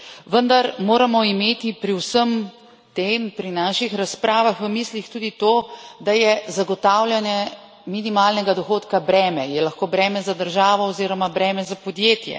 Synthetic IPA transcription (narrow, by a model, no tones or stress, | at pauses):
ʋənd̪aɾmoːɾamɔimeːt̪ipɾiwsəm | t̪eːmpɾinaːʃixɾaspɾaːʋaxʋəmiːslixt̪uːd̪it̪oːd̪ajɛzaɡɔt̪aːwlʲjanjɛ | minimaːlnɛɡad̪ɔxoːt̪kabɾɛːmɛjɛlɐxkoːbɾɛːmɛzad̪əɾʒaːʋɔɔziːɾɔmabɾɛːmɛzapɔd̪jeːt̪jɛ̰